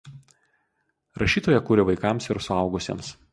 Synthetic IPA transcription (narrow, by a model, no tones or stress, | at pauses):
ɾʔɐʃʲiːt̪oːjɛkuːɾʲɪʋɐɪkɐˑmsɪɾsʊɐʊɡʊsʲḭɛms